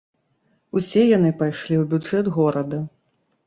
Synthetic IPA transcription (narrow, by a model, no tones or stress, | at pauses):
usʲɛjanɨpajʂlʲiwbʲud͡ʐɛd̪ɣɔɾɐd̪ɐ